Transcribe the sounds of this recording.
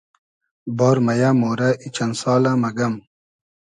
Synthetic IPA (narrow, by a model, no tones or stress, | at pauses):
boːɾmɐjamoːɾɐʔit͡ɕɐnsɑːlamɐɡɐm